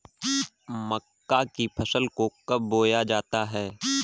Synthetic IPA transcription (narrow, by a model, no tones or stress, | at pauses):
məkːakipʰəsəlkokɐbːoːjad͡ʒaːt̪aɦɛː